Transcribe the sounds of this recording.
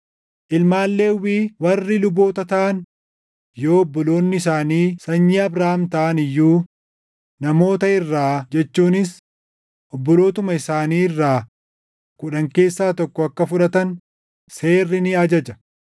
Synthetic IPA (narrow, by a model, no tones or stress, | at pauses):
ʔɪlmaːlːe̞ːwiːwɐrːɪlʊbo̞ːt̪ɐt̪ɐʔɐn | jo̞ːɔbːɔlo̞ːnːɪɪs̬aːniːsɐɲːiɐbɾaːmt̪ɐʔɐnɪjːuː | nɐmo̞ːt̪ɐɪrːaːd͡ʒɛt͡ʃːuːnɪs | ʔɔbːɔlo̞ːt̪ʊmɐɪsaːniːɪrːaː | kʊᶑɐŋke̞ːsːaːt̪ɔkːɔɐkːɐfʊᶑɐt̪ɐn | se̞ːrːɪnɪɐd͡ʒɐd͡ʒɐ